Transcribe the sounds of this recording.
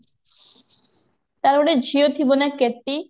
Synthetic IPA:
t̪aɾoɽed͡ʑʱiot̪ʰibonekːet̪ːi

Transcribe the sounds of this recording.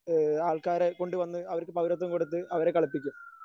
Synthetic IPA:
aːɭkaːɾeko̞ɳɖɨʋɐnːɨɐʋɐɾkːɨpɐʋwɾɐt̪̬ːɐmkoɽut̪̬ːɨɐʋɐɾekːɐɭɐpːikʲːum

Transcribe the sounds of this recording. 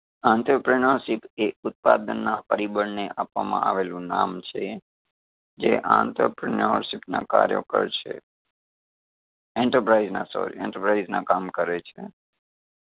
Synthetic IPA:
ãnt̪əpɾinəɾʃipeʊt̪̚pad̪ənːapəɾibəɳneʔapʋamã̰ʔaʋelũnamt͡ʃʰe | d͡ʒeʔã̰nt̪əpɾinəɾʃipnã̰kaɾjo̰kə̰ɾt͡ʃʰḛ | ɛ̃ɳʈəɾpɾaiznasɔ̰ɾiɛ̰̃ɳʈəɾpɾaiznãkamkəɾet͡ʃʰe

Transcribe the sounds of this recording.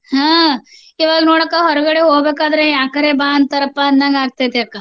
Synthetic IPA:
ɦãː | iʋaːɡnoːɽakːaɦɔɾɡɐɽeɦoːbeːkaːd̪ɾejaːkɐɾebaːnd̪t̪ɐɾɐpːanːãːŋɡaːɡ̚t̪at̪eɐkːaː

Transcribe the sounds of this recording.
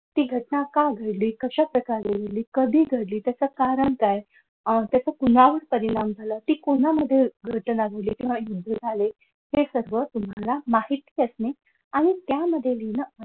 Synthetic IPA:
t̪iːɡʱəʈnakaɡʱəɽliːkəɕapɾəkaɾeɡeɽliːkəd̪ʱiːɡʱəɽliːt̪jat͡səːkaɾəɳkaj | t̪jat͡səkunʋaʋəɾpəɾiɽ̃amd͡zʱaləːt̪iːkonaməd̪ʱːjeɡʱəʈnaɡʱəɽliːk̪ĩʋ̤ajud̪ʱːəd͡zʱale | hesəɾʋət̪um̤alamaɦit̪iːəsne | aɽ̃it̪jaməd̪ʱːjelinə

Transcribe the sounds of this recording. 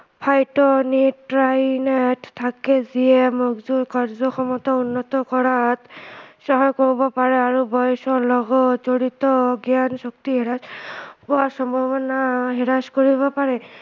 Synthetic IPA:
pʰajtɔniɹajnɛttʰːakɛzijɛmuɡzukaɹzɔxɔmɔt̪ɔunːɔt̪ɔkɔɹat̪sɔɦɔjkoɹibɔpaɹɛaɹubɔjsɔlɔɡɔtzoɹit̪ɔɡjansɔk̚t̪iɦiɹaspuasɔmbʱabɔnaɦiɹaskoɹiβɔpaɹɛ

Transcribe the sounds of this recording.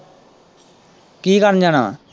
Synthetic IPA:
kiːkəɾnd͡ʒaːna̰ː

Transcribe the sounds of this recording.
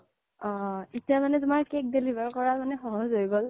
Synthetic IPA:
ɔ̃etijamanɛtʊmaɹkek̚delibaɹkɔɹamanɛxɔɦɔzɦojɡol

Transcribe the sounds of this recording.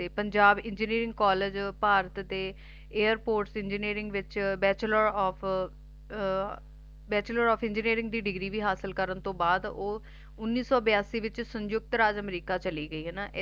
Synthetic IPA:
t̪eːpəɲd͡ʒaːbɪ̃ɲd͡ʒəniːɾɪ̃ŋɡkɔːləd͡ʒpaːɾət̪d̪eː | eːəɾpoːɾʈsɪ̃nd͡ʒəniːɾɪ̃ŋɡʋɪt͡ʃbɛːt͡ʃləɾɔːp | bɛːt͡ʃləɾɔːpʰɪ̃ɲd͡ʒəniːɾɪ̃ŋɡd̪iːɖɪɡɾiːʋiːɦaːsəlkəɾənt̪õːbaːd̪oː | ʊnːiːsɔːbɪjaːsiːʋɪt͡ʃsəɲd͡ʒjʊk̚t̪ɾaːd͡ʒəmɾiːkaːt͡ʃəliːɡəiːɦɛːnaːʔ

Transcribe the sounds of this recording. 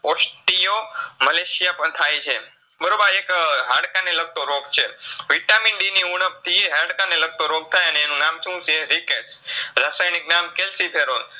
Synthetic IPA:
osʈijoməleʃijapəɳt̪ʰajt͡ʃʰe | bəɾobəɾekɦãɽkaneləɡ̚t̪oɾoɡt͡ʃʰeʋiʈamiɳɖiniuɽ̃əpt̪ʰiɦãɽkaneləɡ̚t̪oɾoɡ̚t̪ʰajəneːnũnamt͡ʃʰũt͡ʃeɾikesɾasajniknamkelsipʰeɾol

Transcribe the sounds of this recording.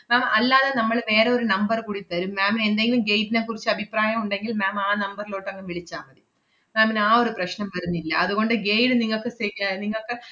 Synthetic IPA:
maːmɐlːaːðɐnɐmːɐɭʋe̞ːɾeo̞ɾunɐmbɐrkuɽit̪ːɐɾumːaːmine̞nd̪eŋɡilumɡejdinɐkurit͡ɕːɨɐbʱipraːjɐmuɳɖe̞ŋɡilmaːmaːnɐmbɐrilo̞ːʈːɐŋːɐnʋiɭit͡ɕːaːmɐði | maːminaːo̞ɾuprɐɕnɐmpɐɾunːilːɐɐðuɣo̞ɳɖɨɡejɽɨniŋːɐɭkːɨseɾjaːniŋːɐɭkɨ

